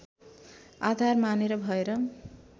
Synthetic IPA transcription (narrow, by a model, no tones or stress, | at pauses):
ad̪ʱarmaneɾʌbʱʌeɾʌ